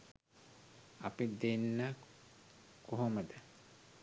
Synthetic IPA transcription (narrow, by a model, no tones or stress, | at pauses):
apid̪enːə | koɦoməd̪ə